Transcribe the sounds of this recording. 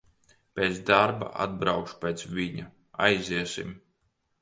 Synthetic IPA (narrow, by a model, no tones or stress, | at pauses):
pʲeːt̪sd̪aɾba̰ʔa̰d̪̚bɾawkʃu̥pʲeːt̪sviɲa | a̰jziɛsḭm